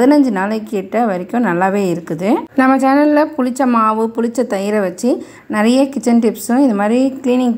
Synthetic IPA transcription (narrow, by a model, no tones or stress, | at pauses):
ðɪnɐɲd͡ʒɯnaːlɐkːeːʈːɐʋɐɾɪkʲːʊ̃nɐlːaːʋeːɪɾɯkːɯðɯnɐmːɐt͡ʃɐːnɐllɐpʊɻɪt͡ʃːɐmaːʋɯpʊɻɪt͡ʃːɐt̪ɐjɪɾɐʋɐt͡ʃːi | nɐɾɐjɐkɪt͡ʃːɐnʈɪpsɯ̃ɪnðɐmaːd̪ɾikɪliːnɪŋɡ